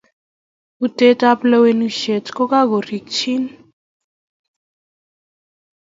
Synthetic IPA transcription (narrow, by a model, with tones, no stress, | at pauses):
utetʼaple˦wenuʃe˨tkɔ˦ka˦ɡo˨ri˨kt͡ʃʰi˦n